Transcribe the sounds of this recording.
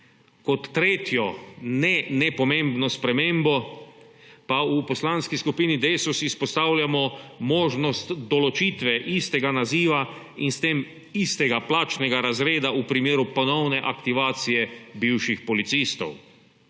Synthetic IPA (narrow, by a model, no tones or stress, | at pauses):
kɔt̪ːɾeːt̪jɔnɛnɛpɔmẽmbnɔspɾɛmẽmbɔ | paupɔslanskiskupiːnid̪eːsusispɔst̪aːwljamɔmoːʒnɔst̪d̪ɔlɔt͡ʃiːt̪ʋɛʔist̪ɛɡanaziːʋa | inst̪eːm | ist̪ɛɡaplaːt͡ʃnɛɡaɾazɾeːd̪aupɾimeːɾupɔnɔwnɛʔakt̪iʋaːt̪sijɛbiwʃixpɔlit̪siːst̪ɔ̰w